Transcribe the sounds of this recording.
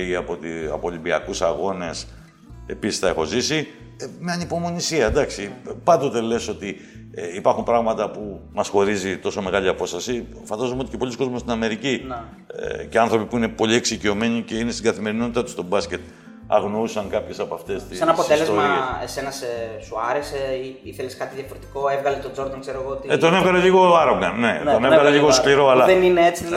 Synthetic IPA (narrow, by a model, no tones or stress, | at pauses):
iɐpot̪iɐ̰polimbiɐkusɐɣo̞ne̞s | e̞pisi̥sθɐexo̞zisi | meɐnipo̞mo̞nisiɐd̪ɐksipɐnd̪o̞t̪e̞le̞so̞t̪i | eipɐɾxumpɾɐɣmɐt̪ɐpumɐsxo̞ɾizit̪o̞so̞me̞ɣɐʎiɐpo̞st̪ɐsi | fɐnd̪ɐzomeot̪icepo̞liskozmost̪inɐme̞ɾicin̰ | ceɐnθɾo̞pipuine̞po̞lie̞ksicio̞me̞ɲice̞inest̪iɡɐθime̞ɾinot̪it̪ɐt̪u̥st̪o̞bɐsce̞t̪ | ɐ̰ɣno̞usɐŋkɐpçe̞sɐpɐft̪e̞st̪iɐnɐpot̪eslezomɐese̞nɐsesuɐɾeseiiθeleskɐt̪iðiɐfoɾet̪i̥ko̞evɣɐlet̪o̞d͡zo̞ɾd̪ɐŋkseɾoɣoot̪iet̪onevɣɐleʎiɣo̞ɐɾoɡɐnne̞onevɣɐleʎiɣoskliɾo̞ɐlɐðenineet͡si